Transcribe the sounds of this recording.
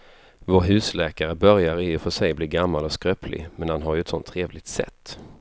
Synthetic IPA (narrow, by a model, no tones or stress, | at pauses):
voːɾɦʉ̟ːslɛːkaɾəbœɾjaɾɪɔfœʂɛjbliːɾɡamːalɔskɾøːpʰlɪ̰mɛnhanɦaɾjɵɛt̪sɔ̰nt̪ʰːɾeːvlɪɡ̚t̪sɛ̰t̪ː